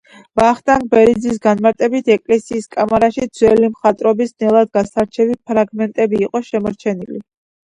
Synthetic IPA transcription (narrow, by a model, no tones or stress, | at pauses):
baχt̪ʼanbɛɾid̪zis̬ɡanmaɾt̪ʼɛbit̪ʰɛkʼlɛsiːskʼamaɾaʃid̪z̥wɛlimχat̪ʼɾɔbisnɛlˠad̪̚ɡasaɾt͡ʃʰɛvipʰɾaɡmɛnt̪ʼɛbiːqʼɔʃɛmɔɾt͡ʃʰɛnili